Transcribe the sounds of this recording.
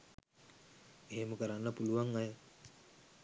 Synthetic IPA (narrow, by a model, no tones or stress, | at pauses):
eɦeməkəɾanːəpuluʋaŋajə